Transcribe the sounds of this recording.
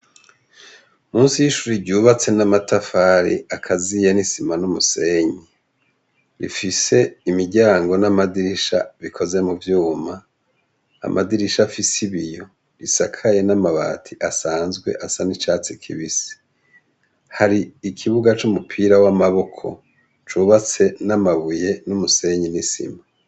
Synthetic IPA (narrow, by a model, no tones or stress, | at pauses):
muːnsijiʃuɾiɾɟuːβat͡se̞namatafaɾḭakʰazijenisimanumuse̞ɲi | ɾḭfise̞imiɟaːŋɡo̞namadiɾiʃa̰βikʰo̞ze̞muvjuːma̰ː | mʔadiɾiʃafisiβijo̞ | ɾisakʰaje̞namaβa̰ːtʰiʔasaːnzɡwe̞̰ʔasanit͡ʃaːt͡sikʰḭβisi̥ | haɾiːkʰiβuɡat͡ʃumupʰiɾawamaβo̞kʰo̞̰ | t͡ʃuβat͡se̞namaβuje̞numuse̞ɲinisḭma